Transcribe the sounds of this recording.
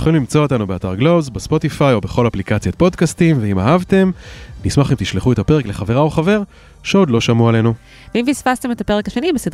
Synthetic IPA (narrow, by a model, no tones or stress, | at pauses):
jχolimlimt͡so̞ot̪anubeat̪aʁɡlo̞zbespo̞t̪ifajo̞be̞χo̞laplikat͡sjat̪̚po̞dkast̪imveimaɦavt̪e̞mnismaχimt̪iʃleχue̞t̪ape̞ʁekle̞χave̞ʁaoχave̞ʁ | ʃeo̞d̪lo̞ʃamuale̞nu | veimisfast̪e̞metape̞ʁekaʃe̞nibesed